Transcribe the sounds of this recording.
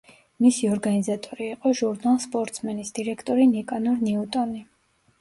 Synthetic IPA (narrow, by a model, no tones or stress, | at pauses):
misiɔɾɡanizat̪ʼɔɾiːqʼɔʒuɾnalˠspʼɔɾt̪sʰmɛnisd̪̥iɾɛkʰt̪ʼɔɾinikʼanɔɾniut̪ʼɔni